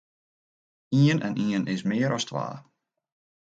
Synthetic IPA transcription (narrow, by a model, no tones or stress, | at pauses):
iənʔɛ̰nʔiənʔɪsmɪəɾʔɔstʰʋa̰ː